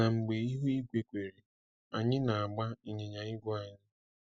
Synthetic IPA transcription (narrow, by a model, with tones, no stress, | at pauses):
na˨ŋ͡m̩˨ɡ͡be˨i˦ɦu˦i˦ɡʷe˨kʷe˨ɾi˨ | a˨ɲɪ˦na˨a˨ɡ͡ba˦i˨ɲe˨ɲa˨ɪ˦ɡʷʊ˦a˨ɲɪ˦